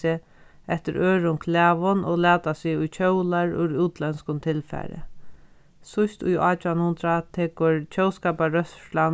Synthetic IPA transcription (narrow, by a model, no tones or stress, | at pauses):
ɪ | ɛht̪ɪɾʔøːɾʊŋkʰlaːʋʊnʔɔ̰lɛːt̪asiʊjt͡ʃʰœwlaɾʊ̰ɾuːt̪lɛnskʊnt̪ʰɪlfa̰ɾɪ̰ | sʊst̪ʊ̰jaːt͡ɕʊanʊnt̪ɾat̪ʰɛːkʊɹt͡ʃʰœwskaːpaɾœsʃlan